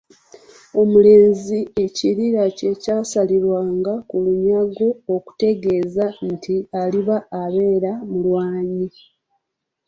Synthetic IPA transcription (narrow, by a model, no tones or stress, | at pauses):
o̞mule̞ːnzie̞ciɾiɾace̞caːsaliɾwaːŋɡakuluɲaɡo̞ːku̥te̞ɡe̞ːzantʰialiβaːβe̞ːɾamulwaːɲi